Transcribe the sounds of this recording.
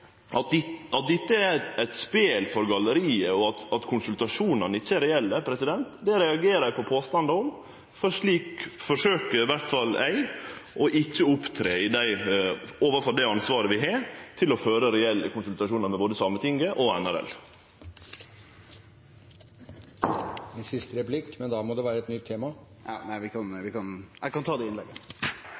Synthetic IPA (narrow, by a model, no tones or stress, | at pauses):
ɑɑt̪̚d̪ɪt̪ːəæɾæɪt̪speːlfɔɾɡɑləɾiːəɔɑt̪ɑt̪kʰʊnsʉlt̪ɑʂuːnɑnɪçːəæɾɛɛlːəpʰɾɛsɪd̪ɛnt̪d̪ɛɾɛɑɡeːɾəæɪpʰɔpʰoːst̪ɑnd̪əɔm | fɔʂɭiːkfɔʂøːkəɾɪʋæɾt̪fɑlæ̰ɪʔɔʔɪçːəʊpt̪ʰɾeːɪd̪æɪoːʋəfɔɾd̪æɪɑnsʋɑːɾəʋɪɦeːɾt̪ʰɪlɔføːɾəɾɛɛlːəkʊnsʉlt̪ɑʂuːnəɾmɛboːd̪əsɑmːət̪ʰɪŋəʔɔɛnæɾɛ̰l | ɛnsɪst̪əɾɛplɪkmɛnd̪ɑmɔd̪ɛʋæːɾəɛt̪nʏt̪ʰːeːmɑ | næɪʋɪkɑnʋɪkɑnækɑnt̪ʰɑːd̪ɛɪnlɛɡːə